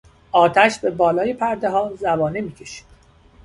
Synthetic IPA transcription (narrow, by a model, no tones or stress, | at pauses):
ʔɒːt̪ʰæʃbe̞bɒːlɒːje̞pʰæɾd̪eɦɒːzæbɒːnemiːcʰe̞ʃi̥ːd̪̥